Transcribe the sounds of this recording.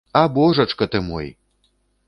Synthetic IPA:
aboʐɐʈ͡ʂkɐt̪ʰɨmo̰j

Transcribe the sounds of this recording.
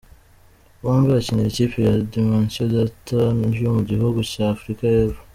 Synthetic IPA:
waːɱviɾacineiciːpijadimansodatoniɾjomuɟihuɡucaːfɾikajeβo

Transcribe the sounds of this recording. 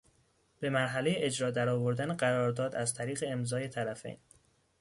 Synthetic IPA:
b̥e̞mæɾɦælejeʔed͡ʒɾɒːd̪æɾɒːvo̞ɾd̪æneɢæɾɒːɾd̪ɒːd̪æzt̪ʰæɾiːɣe̞ːmzɒːje̞t̪ʰæɾæfḛjn

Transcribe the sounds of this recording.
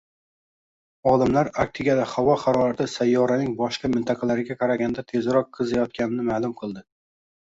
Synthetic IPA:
ɒlɪmlaɾak̚t̪ʰɪɡʲad̪aχavɒχaɾɒɾat̪ʰɪsajːɒɾanɪŋbɒʃqɑmɪnt̪ʰɑqʰɑlaɾɪɡʲaqʰɑɾaɡʲand̪at̪ʰe̞zɾɒqʰːɨzajɒt̪̚kʲanɪnɪmalˠʊmqʰɨlˠd̪ɪ

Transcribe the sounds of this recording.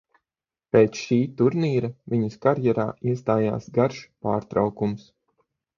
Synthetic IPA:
peːt̪sʃiːt̪uɾniːɾɐvʲiɲuskaɾjɛɾa̰ːiɛst̪aːja̰ːsɡaɾʃpaːɾt̪ɾa̰wkums

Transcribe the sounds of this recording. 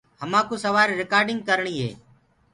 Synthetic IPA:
həmãːkuːsəʋaːɾːɪkaːɾɖɪŋɡkəɾɳiːɦḛː

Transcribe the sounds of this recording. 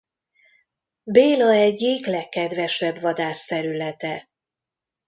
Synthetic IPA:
beːlɒɛɟːiklɛkːɛd̪ʋɛʃɛbvɒd̪aːst̪ɛɾylɛt̪ɛ

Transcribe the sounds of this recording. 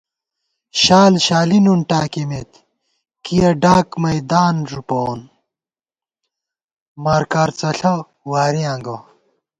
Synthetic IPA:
ɕaːlɕaːlinunʈaːkimet̪ | kijɐɖaːkmɐjd̪aːnʐupoːn | mɐɾkaɾt͡sɐɬɐ | waːɾiãːŋɡɐ

